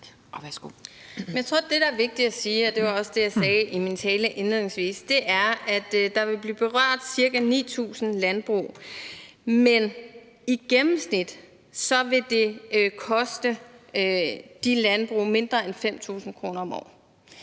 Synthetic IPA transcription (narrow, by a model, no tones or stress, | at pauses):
ʋæsɡ̥oemjaɪt͡sʰo̝̰d̥e̝ɾɑ̈æɐʋe̝ɡ̥̚d̥i̥æsiːɒd̥e̝ʋɑ̈ɒ̽səd̥e̝jɑ̈ɪsɛːʔimint͡sʰɛːləʔenlelˠne̝ŋsʋḭːsd̥e̝ʔæɐʔæd̥d̥ɑ̈ʋe̝lb̥liːb̥e̝ʁɶɐ̰d̥siɐɡ̥ænḭːt͡sʰṵːsn̩lænb̥ʁṵː | men | iɡ̥emm̩snid̥ | sɒ̽ʋe̝d̥e̝kʰɒ̽sd̥ə | d̥ilænb̥ʁṵːme̝nd̥ʁɐenfem̰t͡sʰṵːsn̩kʰʁo̝ːnɐɒ̽mɒ̰ː